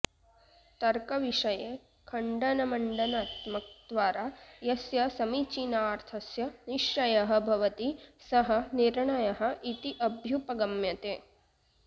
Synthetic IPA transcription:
t̪ɐɾkɐʋiʂɐjeː | kʰɐɳɖɐnɐmɐɳɖɐnaːt̪mɐk̚d̪ʋaːɾaːjɐsjɐsɐmit͡ʃinaːɾt̪ʰɐsjɐniʃjɐjɐɦɐ̆bʱɐʋɐt̪isɐɦɐniɾɳɐjɐɦɐ̆ʔit̪iʔɐbʱjupɐɡɐmjɐt̪eː

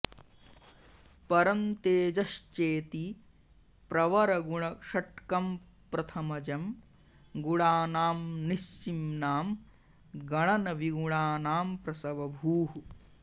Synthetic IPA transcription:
pɐɾɐnt̪eːd͡ʒɐʃt͡ʃeːt̪i | pɾɐʋɐɾɐɡuɳɐʂɐʈ̚kɐm | pɾɐt̪ʰɐmɐd͡ʒɐm | ɡuɽaːnaːmnist͡ʃimnaːm | ɡɐɳɐnɐʋiɡuɽaːnaːmpɾɐsɐʋɐbʱuːɦu

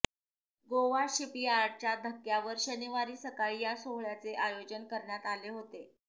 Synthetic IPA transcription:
ɡoʋaɕipiaɾɽ̚t͡ɕjad̪ʱəkːjaʋəɾɕəniʋaɾiːsəkaɭijasoɦɭjat͡seʔajod͡ʑənkəɾɳjat̪aleɦot̪e

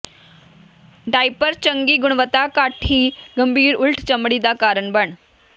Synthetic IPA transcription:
ɖajpəɾt͡ɕəŋɡiːɡuɳ̃ʋət̪akaʈʰiːɡəmbʱiːɾulʈʰt͡ɕəmɽiːd̪akaɾəɳbəɳ

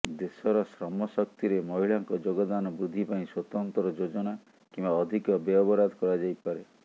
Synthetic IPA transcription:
d̪esɔɾɔsɾɔmɔsɔk̚t̪iɾemɔɦiɭaŋkɔd͡ʒoɡɔd̪anɔbɾud̪ʱːipaĩswɔt̪ɔnt̪ɾɔd͡ʒod͡ʒɔna | kimbaɔd̪ʱikɔbɔɔbɔɾad̪ʱɔkɔɾad͡ʒajpaɾe

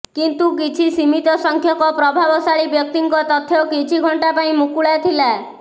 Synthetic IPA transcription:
kint̪ukit͡ʃʰisimit̪ɔsɔŋkʰjɔkɔpɾɔbʱabɔsaɭibjɔk̚t̪iŋkɔt̪ɔt̪ʰːjɔkit͡ʃʰiɡʱɔɳʈapaĩmukuɭat̪ʰila

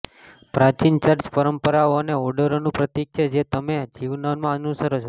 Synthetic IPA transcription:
pɾat͡ʃint͡ʃəɾspəɾəmpəɾaoneɔɖəɾonũpɾət̪ikʃʰed͡ʒet̪əmed͡ʒiʋnonmãənusəɾot͡ʃʰo

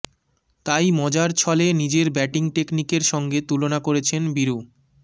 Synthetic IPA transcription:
t̪ajmɔd͡ʑaɾt͡ɕʰɔlenid͡ʑeɾbɛʈiŋʈeknikeɾʃɔŋɡet̪ulonakoɾet͡ɕʰenbiɾu

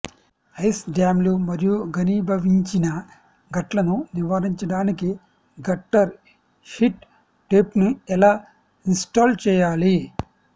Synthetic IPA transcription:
ɐjsɖjaːmlumɐɾijuɡɐniːbʱɐʋiɲt͡ʃinɐ | ɡɐʈlɐnuniʋaːɾiɲt͡ʃɐɽaːniki | ɡɐʈːɐɾ | ʃiʈ | ʈepnuɛlaː | insʈaːlt͡ʃɛːjaːli

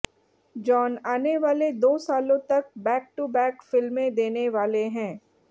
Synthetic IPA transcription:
d͡ʒɔːnaːneʋaːled̪oːsaːlõt̪ɐk̚bɛːk̚ʈubɛːkfɪlmẽd̪eːneʋaːleɦɛ̃ː

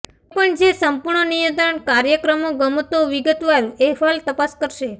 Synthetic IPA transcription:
pəɳd͡ʒesəmpuɾɳənijə̃d̪əɳkaɾjəkɾəmoɡəmot̪oʋiɡət̪ʋaɾeɦʋalt̪əpaskəɾʃe

